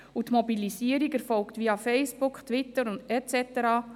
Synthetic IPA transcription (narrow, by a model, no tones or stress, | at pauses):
utmɔbilisiəɾiɡɛɾfɔlkt̪vʋiɑfɛɪsb̥ʊkχt̪ʋɪtːəɾʊndɛt͡sɛt̪əɾɑː